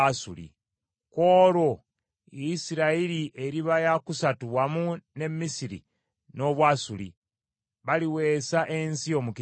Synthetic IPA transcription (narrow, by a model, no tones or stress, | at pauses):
asṵlḭ | koːɾo̞ | isiɾaiɾiʔe̞ɾiβajakusatuwamune̞misiɾḭ | no̞βwaːsulḭ | βaliwe̞ːsaʔensio̞muki